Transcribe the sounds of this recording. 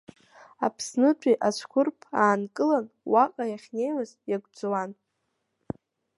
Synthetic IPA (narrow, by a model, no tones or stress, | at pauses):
apʰsnɨt͡ɕʷʼiʔasʷkʷʊrpʰaːnkʼɨlan | waqʼajaχʲne̞jwazjaɡʷd͡zwan